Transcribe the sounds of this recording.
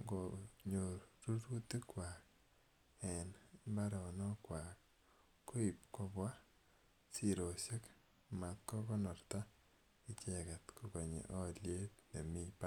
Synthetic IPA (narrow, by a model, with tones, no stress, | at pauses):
ŋɡoɲoɾɾu˦ɾu˦ti˦kwak | ɛ˨nba˦ɾɔ˨nɔ˦kwak | ko˦i˨p̚ko˦bwa˦ | si˨ɾo˨sje˦k | ma˨t̪kɔ˦kɔ˦nɔ˨ɾt̪a˦ | i˦t͡ʃɛkɛ˨t̪kʰo˨ko˨ɲḛ˨ʔɔ˦lje˦tne˨mi˦pa˦